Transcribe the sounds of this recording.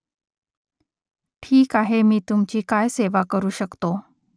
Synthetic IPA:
ʈʰiːkaɦemiːt̪umt͡ɕiːkajseʋakəɾuːɕəkt̪o

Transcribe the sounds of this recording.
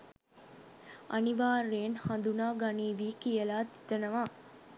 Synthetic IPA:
ʔɐniʋaːreːnhɐnd̪unaːɡɐniːʋiːkijɐlaːt̪i̥t̪ɐnɐʋaː

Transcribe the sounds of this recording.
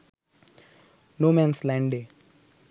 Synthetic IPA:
nomenslaɳɖe

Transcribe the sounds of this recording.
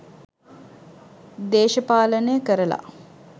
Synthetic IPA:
d̪eːʃəpaːlənəjəkəɾəla̰

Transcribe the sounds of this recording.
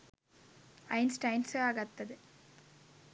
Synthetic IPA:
ɐjnsʈɐjnsɨɐɣɐt̪ːɐðɨ

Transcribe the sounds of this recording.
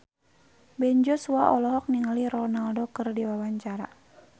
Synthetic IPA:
bɛɲd͡ʒɔsuaʔɔlɔɦɔk̚niŋaliɾɔnaldɔkɨrdiwawaɲt͡ʃaɾa̰

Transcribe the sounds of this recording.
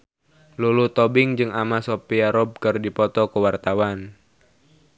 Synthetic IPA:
lulut̪ɔbɪŋd͡ʒɨŋʔamasopiaɾɔb̚kɨrdipɔt̪ɔkəwart̪awan

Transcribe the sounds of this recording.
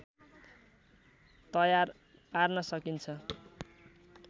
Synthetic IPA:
t̪ʌjar | parnʌsʌkint͡sʰʌ

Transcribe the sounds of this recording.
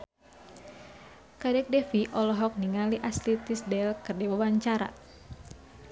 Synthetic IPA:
kadɛk̚dɛfiʔɔlɔɦɔk̚niŋaliʔaslit̪isdɛlkɨrdiwawaɲt͡ʃaɾa̰

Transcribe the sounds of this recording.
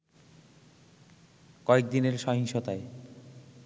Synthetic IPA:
kɔek̚d̪ineɾʃɔɦiŋʃot̪ae

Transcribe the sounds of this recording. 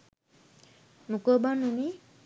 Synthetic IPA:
nukəbanːuni

